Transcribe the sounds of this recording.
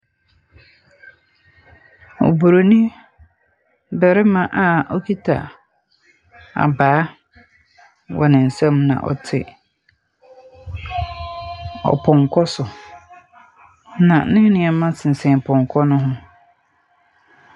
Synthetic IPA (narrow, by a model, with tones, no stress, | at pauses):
o̰˨bu˨ɾo˨nĩ˦ | bɛ˨ɾɪ˦mã˨ʔa˨ɔ˦kʰi˦tʰa̰˨ | a̰˨baː˨˦ | wʔɔ̰˨nɪ̃˨n̩˨sɛ̃˦mnã̰˨ʔɔ̰˨tʰɪ̰˨ | ɔ̰˨pʰɔ̃˨ŋ˨kʰɔ˦sʊ˨ | nã˨nɪ̃˦nɪ̃˨ɛ˨mã˦sɪ˨n̩˨sɛ̃˨pʰɔ̃˨ŋ˨kʰɔ˦nʊ̃˦ɦʊ̃˦